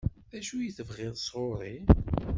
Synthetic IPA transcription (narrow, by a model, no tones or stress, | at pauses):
ðæʃujəθəvʁɪðˤsˤʁoɾˤi